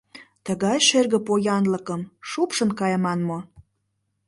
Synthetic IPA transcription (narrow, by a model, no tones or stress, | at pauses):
t̪əɣɑjʃerɣə̆pojɑnləkəmʃupʃə̆nkɑjəmɑnmo